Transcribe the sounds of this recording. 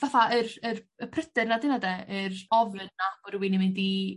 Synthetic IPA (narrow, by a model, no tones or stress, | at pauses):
vaθaərərəpʰrəd̥ɨrnadɪnadɛərɔvlɨnːab̥ɔɾwɪnimɪndi